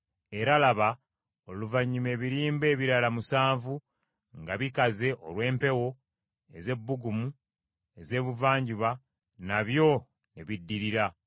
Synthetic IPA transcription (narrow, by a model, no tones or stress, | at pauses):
e̞ɾalaβa | oluvaɲːume̞ːβiɾiːmbe̞ːβiɾalamusaːɱvu | ŋɡaβikaze̞ʔo̰lwe̞ːmpe̞wo̞ | e̞ze̞bːuɡumu | e̞ze̞ːβuvaːɲɟiβa | naβjo̞ | neβidːiɾiɾa